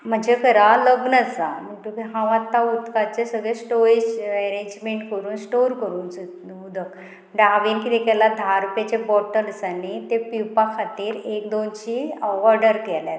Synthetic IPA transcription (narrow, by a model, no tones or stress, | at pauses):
m̤əd͡ʑekəɾaləɡnət͡saməʈukiɦãʋãt̪ːaud̪kat͡sesəɡɭesʈoɾed͡ʑɛɾeɲd͡ʑmeɳʈkəɾuːnsʈoɾkəɾuːns | ud̪ʱək | ɖaʋinkit̪ekɛlad̪ʱaɾupjat͡ɕebɔʈəlsanit̪epiwpakʰat̪iːɾekd̪onɕiɔɾɖəɾkɛljat̪